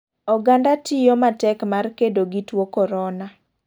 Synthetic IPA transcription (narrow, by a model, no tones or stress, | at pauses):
ɔɡandatijomatɛkmarkedoɡitwokɔɾɔna